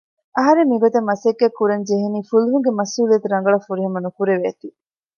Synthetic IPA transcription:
ɐɦɐɾemːiɡot̪ɐmːɐseɡːekːuɾɐɲd͡ʒeɦeniːfuluɦuŋɡemɐsuːliɐt̪uɾɐŋɡɐɭɐfuɾiɦɐmɐnukuɾeʋeːt̪i

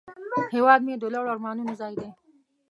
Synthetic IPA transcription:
hewɑːd̪̚med̪olaɽaɾmɑːnunuzɑːjd̪e

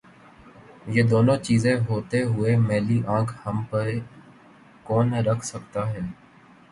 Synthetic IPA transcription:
jeːd̪oːnõːt͡ʃiːzẽɦoːt̪eɦʊemɛːliʔãːkʰhəmpəɾ | kɔːnɾəkʰsək̚t̪aɦɛː

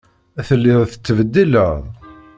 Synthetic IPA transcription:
æθəlːiðθə̥t͡sːvəd̪ːilæʁ

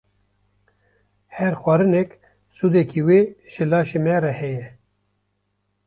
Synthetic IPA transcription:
heɾxwaɾɨnek | sud̪ekiweɕelaːɕimeːɾɐheje

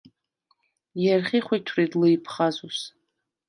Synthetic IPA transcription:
jarχʲiχʷajtʰrejdlɨjpʰχazus

